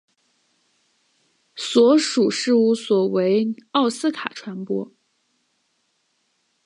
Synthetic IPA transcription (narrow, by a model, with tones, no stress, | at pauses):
swɔ˧˥ʂu˨˩ʂɻ̩˥˧u˥˩swɔ˨˩we˧˥ɪɑ˥˩ʊsɹ̩˥kʰa̰˨˩ʈ͡ʂʰwa˧˥npwɔ̰˥